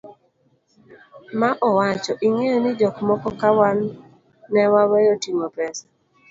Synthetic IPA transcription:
maʔɔwat͡ʃɔʔiŋejonɪd͡ʒɔkmɔkɔkawanː | ɛwawɛjotiŋɔpɾɛsḁ

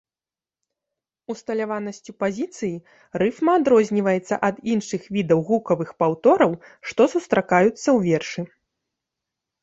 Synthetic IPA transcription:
ust̪ɐlʲavanɐsʲt͡sʲupazʲit̪sɨji | rɨfmɐːd̪ɾɔzʲnʲivɐjɛt̪sːɐ̰ʔɐd̪inʂɨxvʲid̪ɐwɣukɐvɨxpawt̪ɔɾɐwʂt̪ɔsust̪ɾʔakajut̪sːɐwvʲɛrʂɨ

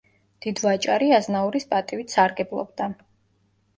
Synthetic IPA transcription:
d̪̥id̪vat͡ʃʼaɾiaznauɾispʼat̪ʼivit̪ʰsaɾɡɛblˠɔ̰bd̪a

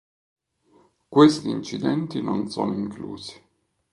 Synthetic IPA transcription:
kwest̪iːnt͡ʃid̪ɛnt̪inonso̰ːnoiŋklṵːzi̥

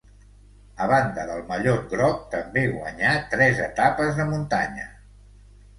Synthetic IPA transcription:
əβand̪əðəlˠməʎoɡɾɔk̚t̪əmbeɣwə̰ɲat̪ɾɛzət̪apəzðəmunt̪aɲə̰

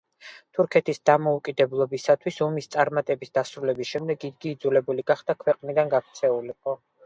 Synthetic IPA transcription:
t̪ʰuɾkʰɛt̪ʰisd̪amɔukʼid̪ɛblˠɔbisat̪ʰwisɔmist̪sʼaɾmat̪ʼɛbisd̪asɾulɛbisʃɛmd̪ɛɡid̪ɡiːd̪zulɛbuliɡaχd̪̥akʰwɛqʼnid̪anɡakʰt̪sʰɛuliqʼɔ

